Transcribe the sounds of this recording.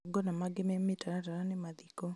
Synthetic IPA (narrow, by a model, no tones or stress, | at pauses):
ɡɔnamaɡɪmɛmɪtaɾataɾanemaðikɔ